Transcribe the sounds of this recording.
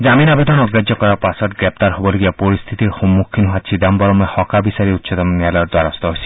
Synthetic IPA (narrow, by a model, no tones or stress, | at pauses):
d͡ʒaminabed̪ɔnɔɡɾad͡ʒjɔkɔɾapasɔtɡɾep̚t̪aɾɦobɔloɡibapɔɾist̪ʰit̪iɾhɔmːukʰːinɦat͡ʃʰid̪ambɔɾɔmehɔkabisaɾiutːsʰɔd̪ɔmnjalɔjɔɾd̪waɾɔst̪ɔɦojsʰi̥